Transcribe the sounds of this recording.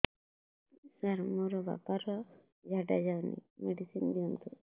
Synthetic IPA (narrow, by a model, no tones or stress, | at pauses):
saɾmɔɾɔba̰paɾɔ | d͡ʒʱaʈad͡ʒawnḭmeɖisind̪iɔmt̪u